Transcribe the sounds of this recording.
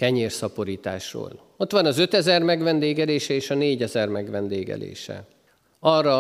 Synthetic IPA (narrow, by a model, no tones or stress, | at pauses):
kɛɲeːrsɒpo̞ɾiːt̪a̰ːʃro̰ːl | o̞t̪ʋɒnɒzø̞t̪ɛzɛrmɛɡʋɛnd̪eːɡɛleːʃɛeːʃɒneːɟɛzɛrmɛɡʋɛnd̪eːɡɛ̰lḛːʃɛ̰ | ɒrːɒ